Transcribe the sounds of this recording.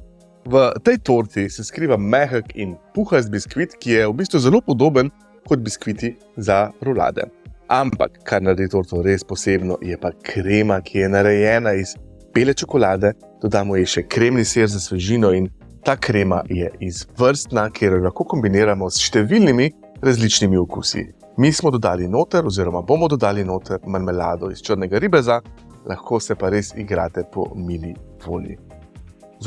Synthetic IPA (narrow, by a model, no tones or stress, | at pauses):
ʋət̪ɛjt̪oɾt̪isɛskɾiːʋamɛxəkinpuxazbiskʋit̪kijɛwbist̪ʋuzɛlopɔd̪oːbən | kɔd̪̚biskʋit̪i | zaɾula̰ːd̪ɛ̰ampa̰kːaɾnaɾd̪it̪oːɾt̪ɔɾespɔseːbnɔjɛpakʰɾeːmakʰijɛnaɾɛjɛːnaiz̥ | b̥elɛt͡ʃɔkɔlaːd̪ɛ | d̪̥ɔd̪aːmɔjɛʃɛkɾemniseːɾzasʋɛʒiːnɔin | t̪aːkɾeːma̰jɛizʋəɾst̪nakʰeːɾjɔlaxkoːkɔmbineːɾamɔsʃt̪ɛʋilnimi | ɾazlit͡ʃnimiɔkṵːsḭ | mismɔd̪ɔd̪aːlinoːt̪ɛɾɔziːɾɔmabomɔd̪ɔd̪aːlinoːt̪ʰɛɾmanmɛlaːd̪ɔist͡ʃəɾnɛɡaɾiːbɛza | laxkʰoːsɛpaɾesiɡɾa̰ːt̪ɛpɔ̰miːliʋoːlḭ | z